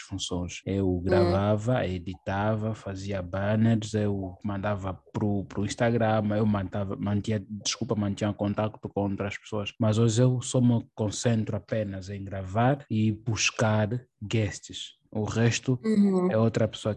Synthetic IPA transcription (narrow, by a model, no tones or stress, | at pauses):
fũsõj̃ʃewɡɾavavɐed̪it̪avɐfaziɐbaneɾzewmãnd̪avɐpɾupɾuĩʃt̪aɡɾãmewmɐ̃nt̪avɐmɐ̃nt̪ĩɲɐd̪iʃkulpɐmɐ̃nt̪iɲɐkõnt̪akt̪ukõot̪ɾɐʃpe̥soɐʃmɐzoʒewsɔmɨkõsẽnt̪ɾuapenɐzẽj̃ɡɾavaɾibuʃkaɾɡɛʃt̪iʃ | uʁɛʃt̪uɛot̪ɾɐpe̥soɐ